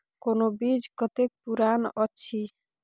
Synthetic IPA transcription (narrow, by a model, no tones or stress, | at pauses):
konobid͡ʑkɔt̪ek̚puɾanɔːɕʰi